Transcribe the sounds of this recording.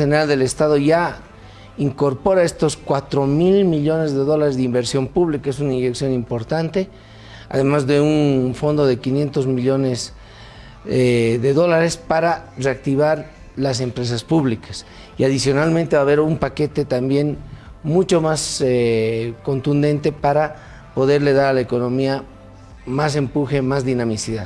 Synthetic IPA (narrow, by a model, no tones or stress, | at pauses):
eneɾald̪e̞le̞st̪aðo̞ʝa | iŋko̞ɾpo̞ɾae̞st̪o̞skwat̪ɾo̞milmiʎo̞ne̞zðe̞ðo̞laɾe̞zðeimbe̞ɾsjo̞mpuβlikae̞s̬unainʝe̞ksjo̞nimpo̞ɾt̪ant̪e̞ | a̰ðe̞mazðe̞unfo̞nd̪o̞ðe̞kinje̞nt̪o̞zmiʎo̞ne̞s | eðe̞ðo̞laɾe̞spaɾare̞ak̚t̪iβaɾ | las̬e̞mpɾe̞s̬aspuβlikas | iaðisjo̞nalmẽnt̪e̞βaβe̞ɾumpake̞t̪et̪ambje̞n | mut͡ʃo̞maseko̞nt̪und̪e̞nt̪e̞paɾa | po̞ðe̞ɾle̞ð̞aɾalaeko̞no̞mia | mas̬e̞mpuxe̞mazðinãmisiðað